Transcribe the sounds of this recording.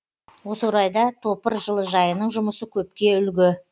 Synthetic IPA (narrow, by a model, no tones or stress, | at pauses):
wo̞swɾɑjd̪ɑt̪ʰo̞pəɾʒəlˠəʒɑjənəɴʒʊməsəkʲʰɵp̚kʲe̞ʏlɡʲɪ